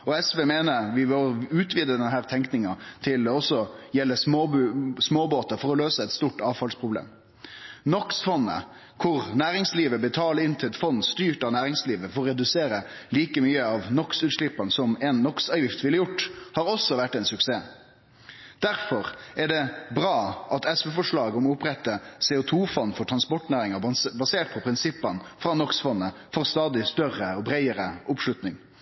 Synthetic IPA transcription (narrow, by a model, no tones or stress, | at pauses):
ɔɛsʋeːmeːnəʋɪʋɔlʉːt̪ʋiːd̪əd̪ɛnɦæːʁt̪ʰɛŋknɪŋɑt̪ʰɪld̪ɛɔsːɔjɛlːəs | smoːboːt̪ɑfɔɾɔløːsəɛt̪st̪uːʈɑːʋfɑlspʰɾʊblḛːm | nɔksfɔnːə̰ | kʰʊɾnæːɾɪŋsliːʋəbət̪ʰɑːləɪnt̪ʰɪlɛt̪fɔnːst̪yːʈɑʋnæːɾɪŋsliːʋəfɔɾɾɛd̪ʉseːɾəliːkəmyːəɑʋnɔksʉːt̪ʂɭɪpːɑnsɔmɛːnːɔksɑːjɪft̪ʋɪlːəjʊʈːhɑːɾɔsːɔʋæʈːɛɪnsʉkseː | d̪̥æɾfɔɾɛɖɛbɾɑːʔɑt̪ɛsʋɛfɔʂɭɑːɡɔmʊpɾɛt̪ːəsɛːʊt̪ʰuːfɔnːfɔʈʰɾɑnspɔʈnæːɾɪŋəbɑseːʈ̪̚pʰɔpʰɾɪnsɪpːənfɾɑnɔksfɔnːəfoːʁɾst̪ɑːd̪ɪst̪œrəɔbɾæɪəɾəʊpʂlʉt̪nɪŋ